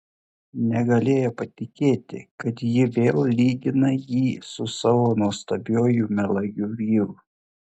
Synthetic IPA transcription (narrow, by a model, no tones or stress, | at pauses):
nʲɛɡɐlʲeːjoːpɐt̪ʲɪkʲeːt̪ʲɪ̰kɐt̪jɪʋʲeːlˠlʲiːɡ̪ʲɪnɐjiːsʊsɑʋoːnuɔst̪ɐbʲoːjumʲɛlˠɐɡʲuʋʲiːɾu